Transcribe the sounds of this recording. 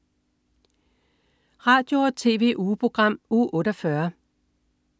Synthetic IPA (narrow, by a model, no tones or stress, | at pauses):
ʁɑ̈ːd̥jo̝ɒt͡sʰe̝̰ːʋe̝̰ʔuːpʰʁo̝ɡ̥ʁɑ̈m̰uːʔɔ̽ːɾ̥æfɶɐ